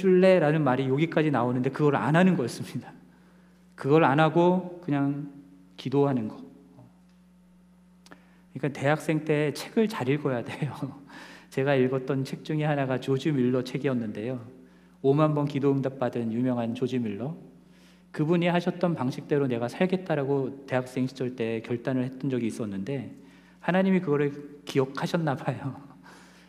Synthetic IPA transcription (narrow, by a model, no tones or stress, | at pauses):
t͡ɕʰuɭːe̞ɾanɯnmaɾijoɡik͈ad͡ʑinaonɯnde̞kɯɡʌɾɯɭa̰nanɯnɡʌjʌs͈ɯmɲidḁ | kɯɡʌɾɯɭanaɡokɯɲaŋ | kidoɦanɯnɡʌ | o | kɯɲik͈ante̞ɦak̚s͈e̞ŋt͈ʰe̞ːt͡ɕʰeɡɯɭt͡ɕaɾiɭɡʌjade̞jo | t͡ɕe̞ɡaiɭɡʌt͈ʌnt͡ɕʰe̞k̚t͡ɕ͈uŋihanaɡat͡ɕod͡ʑimiɭːʌt͡ɕʰe̞ɡiʌnːɯnde̞jo | omanbʌnkidoɯŋdap̚p͈adɯnjumjʌŋɦant͡ɕod͡ʑimiɭːʌ | kɯbuɲihaɕʰʌt̚t͈ʌnpaŋɕʰik̚t͈e̞ɾone̞ɡasʰaɭɡe̞t̚t͈aɾaɡote̞ɦak̚s͈e̞ŋɕʰid͡ʑʌɭt͈e̞ːkjʌɭt͈anɯɭhe̞t͈ʌnd͡ʑʌɡiːs͈ʌnːɯnde̞ | hanaɲimikɯɡʌɾɯɭkijʌkʰaɕʰʌnːabajo